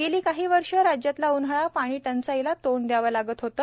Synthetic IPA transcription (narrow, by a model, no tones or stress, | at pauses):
ɡeliːkaɦiːʋəɾʂəɾad͡ʑjat̪launɦəɭapaɽ̃iːʈənt͡sailat̪oɳd̪jaʋalaɡət̪ɦot̪ə